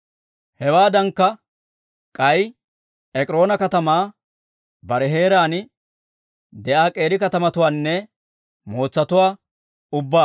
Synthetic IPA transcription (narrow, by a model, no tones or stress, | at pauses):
hɛwaːd̪ɐŋkːɐ | kʼɐj | ɛkʼɪɾo̞ːnɐkɐt̪ɐmaː | bɐɾɛɦe̞ːɾaːnɪ | d̪ɛʔaːkʼe̞ːɾɪkɐt̪ɐmɐt̪ʊwaːnːɛ | mo̞ːt͡sːɐt̪ʊwaː | ʊbːaː